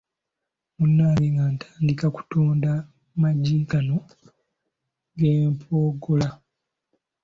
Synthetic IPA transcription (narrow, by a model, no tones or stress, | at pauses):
munːaliŋɡantʰaːndikaku̥toːnda | maɟikano̞ | ɡeːmpʰoːɡola